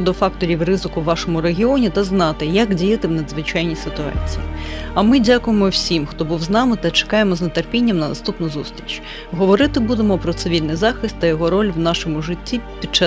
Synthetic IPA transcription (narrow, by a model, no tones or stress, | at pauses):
d̪ɔfɑkt̪ɔɾʲiwrɪzɪkʊʋːɑʃɔmʊɾeɦʲiɔnʲit̪ɐznɑt̪ɪjɐkdʲijɐt̪ɪwnɐd̪zʋɪt͡ʃajnʲisɪt̪ʊɑ̰t͡sʲijiɐmɪdʲakʊjemɔwsʲimxt̪ɔbuwznɑmɪt̪ɐt͡ʃe̥kɑjemɔznet̪erpʲinʲːɐmnɐnɐ̰st̪upnʊzust̪ɾʲit͡ʃ | ɦɔʋɔɾɪt̪ɪbud̪emɔpɾɔt̪sɪʋʲilʲnɪjzɑxɪst̪ːɐjɔɦɔɾɔlʲwnɑʃɔmʊʐɪtʲːipʲid̚t͡ʃa